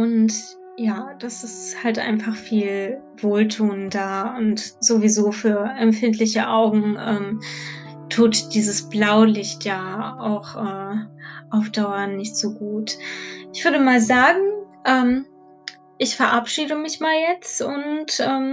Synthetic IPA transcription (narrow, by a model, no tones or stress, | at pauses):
ʔʊnt | jaːd̥asɪsthaltʔa̰ɪnfaχfiːl | v̥oːltʰuːndaːʊntz̥ovizoːfyːɐʔɛmfɪntʰlɪçəʔaʊɡŋ̩ʔɛːm | tʰuːtd̥iːzəsb̥laʊlɪçtjaːaʊxʔɛːʔaʊfd̥aʊɐnɪçtz̥oːɡuːtʔɪçv̥ʏɐɾəmaːlzaːɡŋ̩ | ʔɛːm | ʔɪçfɛɐʔapʃiːdəmɪçmaːljɛt͡stʊntʔɛːm